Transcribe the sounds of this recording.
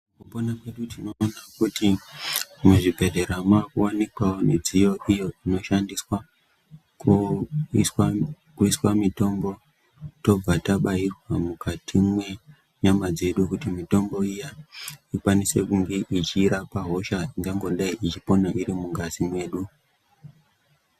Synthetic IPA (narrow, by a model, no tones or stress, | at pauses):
kuponakwe̞ɗutino̞ːnakuti | umweʐibʱe̞dʱeɾamwakuwanekwaoned͡zijo̞ʔijo̞ino̞ʃandiswa | k | sw | kuiswamito̞mbo̞ | to̞b͡vataɓaɦirwamukatʰimwe̞ | ɲamad͡ze̞ɗukutimito̞mbo̞ijaikwanise̞kuŋɡe̞ʔit͡ʃiːɾapaɦo̞ʃaiŋɡaŋɡo̞ɗaiʔit͡ʃipo̞naʔiɾimuŋɡazimwe̞ːɗu